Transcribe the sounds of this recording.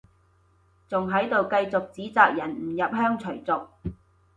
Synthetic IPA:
t͡sʊ˨ŋɦɐ˨˥jt̪o˨wkɐ˧jt͡sʊ˨k̚t͡siː˨˥t͡saː˨k̚jɐ˨˩nm̩˨˩jɐ˨p̚hœː˥ŋt͡sʰɵ˨˩ɥt͡sʊ˨k̚

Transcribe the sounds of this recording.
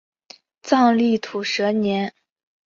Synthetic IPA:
t͡sɑ˥˧ŋli˥˩t̪ʰu˨˩ʂɤ˧˥njɛ˧˥n

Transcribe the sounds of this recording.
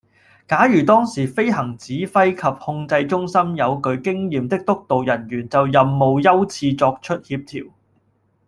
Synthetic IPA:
kaː˨˥jyː˨˩t̪ɔː˥ŋsiː˨˩fe˥jɦɐ˨˩ŋt͡siː˨˥fɐ˥jkʰɐ˨p̚hʊ˧ŋt͡sɐ˧jt͡sʊ˥ŋsɐ˥mjɐ˨˧wkɵ˧ɥkɪ˥ŋjiː˨mt̪ɪ˥k̚t̪ʊ˥k̚t̪o˨wjɐ˨˩njyː˨˩nt͡sɐ˨wjɐ˨mːo˨wjɐ˥wt͡sʰiː˧t͡sɔː˧k̚t͡ʃʰɵ˥t̚hiː˧p̚t̪ʰiː˨˩w

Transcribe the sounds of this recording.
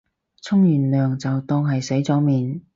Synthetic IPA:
t͡sʰʊ˥ŋjyː˨˩nlœː˨ŋt͡sɐ˨wt̪ɔː˧ŋɦɐ˨jse˨˥jt͡sɔː˨˥miː˨n

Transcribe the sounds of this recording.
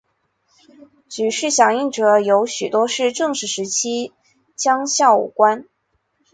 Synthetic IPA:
t͡ɕy˨˩ʂɻ̩˥˩ɕjɑ˨˩ŋi˥˩ŋʈ͡ʂɤ˨˩˦jo˧˥ʊɕy˨˩t̪wɔ˥ʂɻ̩˥˧ʈ͡ʂɤ˥˧ŋʂɻ̩˥˩ʂɻ̩˧˥t͡ɕʰi˥ | t͡ɕjɑ˥ŋɕjɑ˥˧ʊṵ˨˥˩kwa˥n

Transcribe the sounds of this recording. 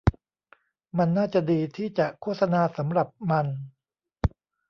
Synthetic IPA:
ma˧nːaː˥˩t͡ɕa˨˩diː˧t̪ʰiː˥˩t͡ɕa˨˩ʔkʰo˥˩t̪̚sa˧naː˧sa˩˦mɾa˨˩p̚ma˧n

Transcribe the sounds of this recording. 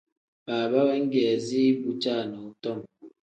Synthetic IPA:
baː˨ba˦bɛ˦ŋ̩˦ɡɛː˨zi˦bu˦t͡ʃa˦˨nɔ˨u˨tɔ˦˨m

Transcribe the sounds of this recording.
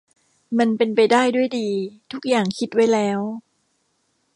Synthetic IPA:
ma˧npe˧npa˧jdaː˥˩jdu˥˩əjdiː˧t̪ʰu˦˥k̚jaː˨˩ŋkʰi˦˥t̪̚wa˦˥jlɛː˦˥w

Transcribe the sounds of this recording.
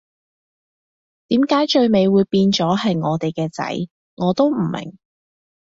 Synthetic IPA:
t̪iː˨˥mkaː˨˥jt͡ʃɵ˧ɥme˨˧jwuː˨˧jpiː˧nt͡sɔː˨˥ɦɐ˨jŋɔː˨˧t̪e˨jkɛː˧t͡sɐ̰˨˥j | ŋɔː˨˧t̪o˥wm̩˨˩mʔɪ̰˨˩ŋ

